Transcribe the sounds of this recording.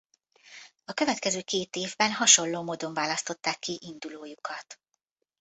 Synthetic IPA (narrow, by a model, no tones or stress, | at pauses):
ɒkøvɛt̪kɛzøːkeːt̪eːvbɛnɦɒʃo̞llːoːmoːd̪o̞ɱvaːlɒst̪o̞t̪ːaːkːiʔind̪uloːjukʰɒt̪